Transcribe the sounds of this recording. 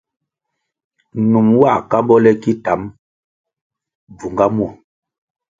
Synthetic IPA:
nu˨mwa˦˨ka˦bɔ˦lɛ˦ki˦ta˨˦m | b͡vu˨ŋɡa˦mwɔ˦˨

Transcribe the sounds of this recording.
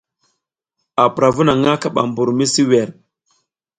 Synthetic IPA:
a˨pɾa˨vu˦na˨ŋa˦ka˦ɓa̰˨mbu˨ɾmi˦si˦wɛ˨ɾ

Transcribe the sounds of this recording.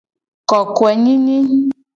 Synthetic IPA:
kɔ˨kwɛ˨ɲĩ˦ni˦

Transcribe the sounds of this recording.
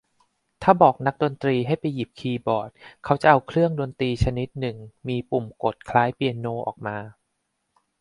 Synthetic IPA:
t̪ʰaː˥˩bɔː˨˩k̚na˦˥k̚do˧nt̪ɾiː˧ɦa˥˩jpa˧jːi˨˩p̚kʰiː˧bɔː˨˩t̪̚kʰa˦˥wt͡ɕa˨˩ʔa˧wkʰɾɯ˥˩əŋdo˧nt̪iː˧t͡ɕʰa˧ni˦˥t̪̚nɯ˨˩ŋmiː˧pu˨˩mko˨˩t̪̚kʰlaː˦˥jpi˨˧ənːoː˧˩ʔɔ̰ː˨˩k̚maː˧

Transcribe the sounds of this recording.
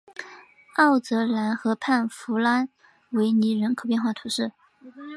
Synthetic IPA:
ɑ˥˩ʊt͡sɤ˧˥la˧˥nxɤ˧˥pʰa˥˩nfu˧˥la˥n | we˧˥ɪni˧˥ɻə˧˥nkʰo˨˩ʊpjnxwa˥˩t̪ʰu˧˥ʂɻ̩˥˩

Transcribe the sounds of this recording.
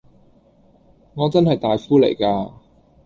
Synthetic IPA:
ŋɔː˨˧t͡sɐ˥nhɐ˨jt̪aː˨jfuː˥lḛ˨˩jkaː˧

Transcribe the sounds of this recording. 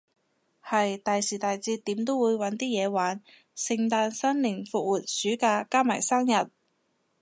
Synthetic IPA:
hɐ˨jt̪aː˨jsiː˨˩t̪aː˨jt͡siː˧t̪iː˨˥mt̪o˥wuː˨˧jwɐ˨˥nt̪iː˥jɛː˨˧waː˨˥n | sɪ˨˧ŋt̪aː˧nsɐ˥nlɪ˨˩ŋfʊ˨˧k̚wuː˨t̚syː˨˥kaː˧kaː˥ma̰ː˨˩jsaː˥ŋjɐ˨t̚

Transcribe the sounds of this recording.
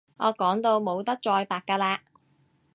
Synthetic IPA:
ʔɔː˨˧kɔː˨˥ŋt̪o˧wmo˨˧wt̪ɐ˥k̚t͡ʃɔː˧jpaː˨kːaː˧laː˧

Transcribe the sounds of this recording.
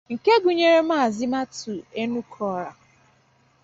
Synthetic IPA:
ŋ̩˨ke˦ɡu˨ɲe˨ɾe˦ma˦a˨zɪ˦ma˦tu˨e˦nu˦kʰɔ˦ɾa˨

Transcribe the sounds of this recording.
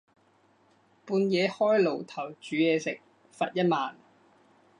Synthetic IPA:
puː˧njɛː˨˧hɔː˥jlo˨˩wt̪ʰɐ˨˩wt͡ʃyː˨˥jɛː˨˧sɪ˨k̚ | fɐ˨t̚jɐ˥t̚maː˨n

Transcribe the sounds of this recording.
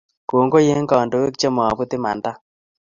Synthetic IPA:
ko˨ŋɡo˦je˦ŋɡɔ˨ndo˨we˦kt͡ʃe˦mɔ˨a˨bu˦t̪ɪ˦ma̰˨nda˦

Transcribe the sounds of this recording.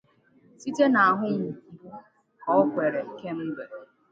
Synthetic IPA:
si˦te˦na˨a˨ɦʊ˦ŋ̩˨ki˨˦ | ɔ˦kʷe˨ɾe˨ke˦m̩˦ɡ͡be˨

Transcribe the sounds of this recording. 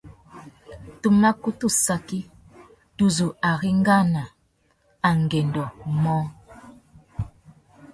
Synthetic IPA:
tu˦ma˦ku˦tu˦˨sa˦ki˦ | tu˦˨zu˨a˨ɣi˦ŋ˦ɡa˦na˨ | a˨ŋ˨ɡɛ˨ndɔ˨mɔ˦

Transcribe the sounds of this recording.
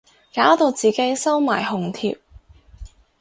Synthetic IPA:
kaː˨˥wt̪o˨˧wt͡siː˨ke˨˥jsɐ˥wmaː˨˩jɦʊ˨˩ŋt̪ʰḭː˧p̚

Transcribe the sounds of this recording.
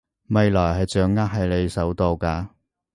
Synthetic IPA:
mɐ˨˧jlɔː˨˩jɦɐ˨jt͡sœː˨˥ŋːaː˥k̚ɦɐ˨jle˨˧jsɐ˨˥wt̪o˨˧wkaː˧

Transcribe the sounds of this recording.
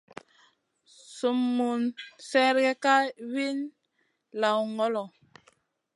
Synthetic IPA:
su˨mːu˨nsɛ˦ɾɡɛ˦ka˦wi˦n | la˨wŋɔ˦lɔ˨

